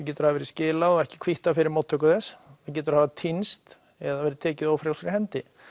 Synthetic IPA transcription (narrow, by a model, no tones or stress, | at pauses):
cɛːt̪ʏɾ̥havɛɾɪscɪːlaðɔɛhcɪ̥kʰv̥iht̪afɪɾɪɾmoːwt̪ʰːœkʏθɛsθac̬ɛːt̪ʏɾahaːvat̪ʰinst̪ | ɛðavɛːɾɪt̪ʰɛːcɪðoːwfɾjawskɾahɛnt̪ɪ